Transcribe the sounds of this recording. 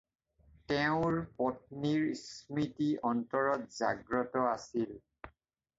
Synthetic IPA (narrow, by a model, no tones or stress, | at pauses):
tɛʊ̃ɹpɔt̚niɹsmitiɔntɔɹɔtza̰ɡɹɔtɔasil